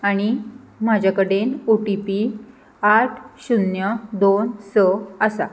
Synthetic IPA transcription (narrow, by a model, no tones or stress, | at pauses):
aɽ̃i | m̤ad͡ʑʱakəɽenuʈipi | aʈʰɕunjəd̪onsəəsa̰